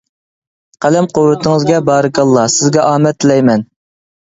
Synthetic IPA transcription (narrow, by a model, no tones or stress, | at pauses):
qʰælɛmqʰowːɨt̪ʰɪŋɨzɡʲɛbɑːɾɨkɑlˠːɑsɪzɡʲɛʔɑːmɛt̪lɛjmɛn